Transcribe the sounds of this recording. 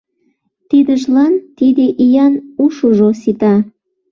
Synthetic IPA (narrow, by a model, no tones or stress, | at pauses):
t̪id̪əʒlɑnt̪id̪eʔijɑnuʃuʒosit̪ɑ